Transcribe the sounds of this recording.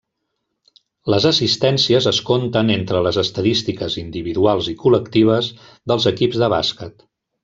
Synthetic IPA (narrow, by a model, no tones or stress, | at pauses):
ləzəsist̪ɛnsiəzəskont̪ənent̪ɾələzəst̪əðist̪ikəzind̪iβiðualˠzikuləkt̪iβ̞əz | ðəlˠzəkibzðəβa̰skət̪